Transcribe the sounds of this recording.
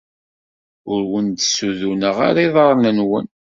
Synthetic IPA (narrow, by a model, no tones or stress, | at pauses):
ʊɾwənd̪suðunəʁa̰ɾiðˤɑɾˤnənwə̰n